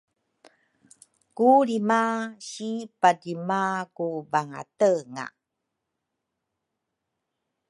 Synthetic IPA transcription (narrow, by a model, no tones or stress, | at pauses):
kuɾimaɕipadimakubaŋa̰təŋa̰